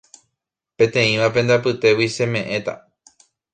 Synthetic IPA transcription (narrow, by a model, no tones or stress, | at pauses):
pẽ̞t̪ẽ̞ĩʋape̞nd̪apɨt̪e̞wise̞mẽ̞ʔẽ̞t̪a̰